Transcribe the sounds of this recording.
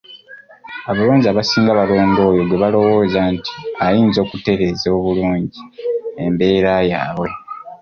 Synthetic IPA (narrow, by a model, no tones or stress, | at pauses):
aβaloːɲɟiaβasiːŋɡaβalo̞ːŋɡo̞ːjo̞ɡweβalo̞woːzanti̥ajiːnzo̞ːkute̞ɾe̞ːzoːβuluːɲɟiembe̞ːɾajaːβwe̞